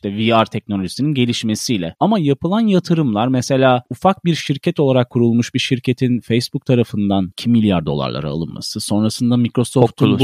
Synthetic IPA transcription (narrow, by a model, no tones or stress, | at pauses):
iʃt̪ɛviaɾt̪ʰɛc̚no̞lʲoʒisininɟelʲiʃme̞sijlʲɛamajapɯlˠanjat̪ʰɯɾɯmlˠaɾmɛse̞lʲaːufak̚biɾʃiɾcʰɛt̪ʰo̞lˠaɾakʰːuɾulˠmuʃbiɾʃiɾcʰe̞t̪ʰinfejsbuk̚t̪ʰaɾafɯnd̪ancʰimːilʲjaɾd̪o̞̰lˠa̰ɾlˠa̰ɾa̰a̰lˠɯ̰nma̰sɯso̞nɾasɯnd̪amicɾo̞soft̪ʰu